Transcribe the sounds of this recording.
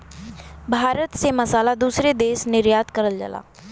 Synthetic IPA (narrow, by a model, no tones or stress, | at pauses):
bʱaːɾət̪seməsaːlad̪uːsɾed̪eːsnɪɾjaːt̪kəɾəld͡ʒə̰la̰ː